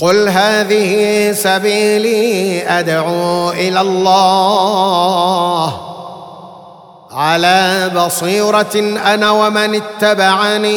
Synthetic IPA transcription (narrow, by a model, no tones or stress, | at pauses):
qʊlɦaːðɪhɪsabiːliːʔad̪ʕuːʔɪlaːlˤːɑː | h | ʕalaːbɑsˤiːɾˤɑʔanaːwamanɪt̪ːabaʕaniː